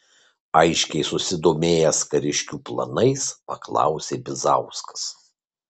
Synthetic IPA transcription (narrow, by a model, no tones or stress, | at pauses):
ɐɪʃʲkʲɛɪsʊsʲɪd̪oːmʲeːjɛskɐɾʲɪʃʲkʲuːplˠɐ̰nɐɪspɐklˠɑ̰ˑʊsʲeːbʲɪzɑ̰ˑʊskɐ̥s